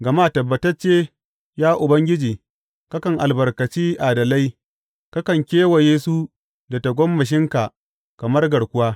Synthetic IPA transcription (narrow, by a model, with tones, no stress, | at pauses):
ɡɐ˨maː˦tɐ˨bːɐ˨tɐ˦rt͡ʃeː˦ | jaː˦ʔʊ˨bɐ˦ŋɡʲɪ˦d͡ʒiː˨ | ka˦kɐ˨ŋʔa˨lbɐ˨rkɐ˨t͡ʃiː˦ʔa˨dɐ˨la˦j | ka˦kɐ˨ŋkʲeː˦wɐ˨jeː˦su˦ | da˨ta˨ɡʷɔ˦mːɐ˨ʃ̬ɪ˦ŋka˨ | kɐ˨mɐ˦rɡɐ˨ɽkʷʊ˦waː˦